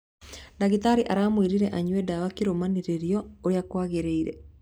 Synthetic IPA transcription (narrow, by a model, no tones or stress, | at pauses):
naɣitaɾiʔaɾaːmwiɾiɾɛʔaɲwɛdawakeɾomaneɾeɾiɔoɾjakwaɣeɾeiɾɛ̰